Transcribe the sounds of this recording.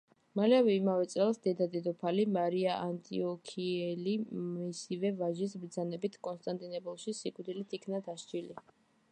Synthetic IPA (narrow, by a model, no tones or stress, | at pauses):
malɛavɛimavɛt̪sʼɛlˠsd̪ɛd̪ad̪ɛd̪ɔpʰalimaɾiaʔant̪ʼḭɔkʰiɛliisivɛvaʒis̬bɾd̪zanɛbit̪ʰkʼɔnst̪ʼant̪ʼinɛbɔlˠʃisikʼvd̪ilit̪ʰikʰnad̪aʃd͡ʒili